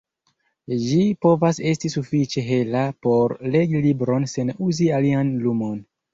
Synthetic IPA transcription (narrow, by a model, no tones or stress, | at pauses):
d͡ʒipo̞vase̞stisufit͡ʃe̞ɦe̞lapo̞ɾle̞ɡilibɾo̞nse̞nuzialianlumo̞n